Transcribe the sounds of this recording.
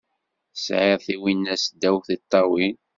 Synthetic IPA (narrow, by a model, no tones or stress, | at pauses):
sʕɪðˤθiwinːæsd̪ːæwθit̪ˤːɑwi